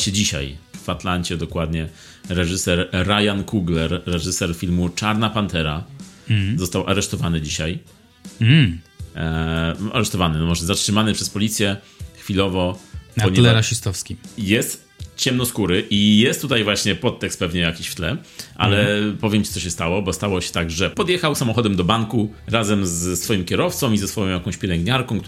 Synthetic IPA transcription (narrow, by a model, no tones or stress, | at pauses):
ɕɛd͡ʑiɕa̰jvat̪laɲt͡ɕɛd̪ɔkwad̪ɲɛ | ɾɛʐɘsɛɾːajankuɡlɛɾːɛʐɘsɛɾfʲilmut͡ʂaɾnapant̪ɛɾa | zɔst̪awʔa̰ɾɛʂt̪ɔvanɘd͡ʑiɕaj | ʔa̰ɾɛʂt̪ɔvanɘnɔmɔʐɛzatʂɘmanɘpʂɛspɔlʲit̪sʲjɛ | xfʲilɔvɔɔɲɛlɛɾaʃist̪ɔfskʲijɛst̪ | t͡ɕɛmnɔskuɾɘʔijɛst̪ːut̪ajvwaɕɲɛpɔt̪ːɛkst̪̚pɛvɲɛjakʲiɕft̪lɛʔa̰lɛpɔvʲjɛmt͡ɕit̪sɔɕ̬ɛst̪awɔbɔst̪awɔɕɛ̥t̪aɡʐɛpɔd̪jɛxawsamɔxɔd̪ɛmd̪ɔbaŋkuɾazɛmzsfɔjimkʲɛɾɔft̪sɔ̃w̃izɛsfɔjɔ̃jakɔ̃w̃ɕpʲjɛlɛŋɡɲaɾkɔ̃w̃kt̪